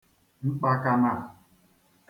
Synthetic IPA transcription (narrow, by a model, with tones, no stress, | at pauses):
ŋ͡m̩˦k͡pa˦ka˦ma˦˨